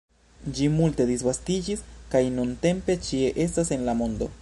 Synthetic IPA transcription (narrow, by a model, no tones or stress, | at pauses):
d͡ʒimulte̞d̪isvastid͡ʒiskajnunte̞mpe̞t͡ʃie̞ʔe̞stase̞nlamo̞ndo̞̰